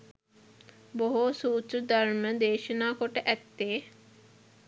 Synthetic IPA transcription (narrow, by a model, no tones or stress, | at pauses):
boɦosuːt͡ʃɾəd̪ɐɾməd̪eːʃənaːkoʈeʔɛt̪ːeː